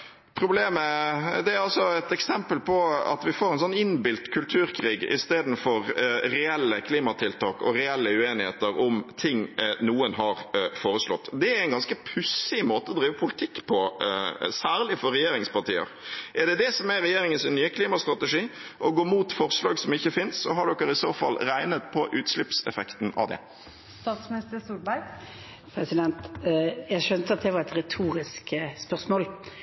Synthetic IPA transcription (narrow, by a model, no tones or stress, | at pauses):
pʰɾʊbleːməd̪ɛæɾɑlsɔɛt̪ɛksɛmpəlpʰɔɑ̰t̪ʋɪfoːɾɛnsɔnːɪnbɪlt̪kʰʉlt̪ʰʉːɾkʰɾiːɡɪ̰st̪eːd̪n̩fɔɾɾɛɛlːəkʰliːmɑt̪ʰɪlt̪ʰɑːkɔ̰ɾɛɛlːəʉeːnɪhḛːt̪əɾʊmt̪ʰɪŋnuːənɦɑɾfoːɾəslɔ̰t̪ːd̪ɛɾæɪnɡɑnskəpʰʉsɪmoːt̪əɔd̪ɾiːʋəpʰʊlɪt̪ʰɪkːpʰɔ | sæːɾlɪfɔɾɛjeːɾɪŋspɑʁʈḭːə̰ɾʔɛɖɛd̪ɛsɔmɛɾɛjeːɾɪŋənsɪnnyːəkʰliːmɑst̪ɾɑt̪ɛʂiːʔɔɡoːmuːt̪fɔɾslɑːɡsɔmɪçːəfɪnssɔɦɑɖɔkːəɾɪsoːfɑ̰lːɾæɪnət̪pʰɔʔʉːt̪ʂlɪpsɛfɛkt̪nɑ̰ʋd̪ɛ̰ | st̪ɑːt̪smnɪst̪əɾst̪ulbæɪ | pʰɾɛsɪd̪ɛnt̪jæɪʃœnt̪əɑt̪̚d̪ɛʋɑɾɛt̪ɾɛt̪ʰuːɾɪskspœɾsmoːl